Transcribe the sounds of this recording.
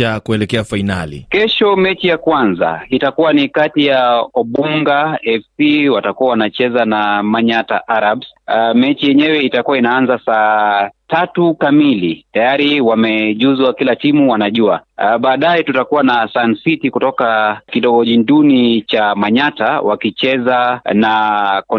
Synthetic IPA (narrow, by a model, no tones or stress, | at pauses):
akuɛlɛkɛafainalḭkɛʃɔmɛt͡ʃijakwanza̰itakuwanikatijaɔɓuŋɡaɛfsiwatakuawanat͡ʃɛzanamaɲataʔaɾabsmɛt͡ʃijɛɲɛwɛitakuwainaanzasaːtatukamilitajaɾiwamɛʄuzwakilatimuwanaʄua̰ɓaːɗajɛtutakuwanasansitikutɔkakiɗɔɡɔʄindunit͡ʃamaɲatawakit͡ʃɛzanakɔ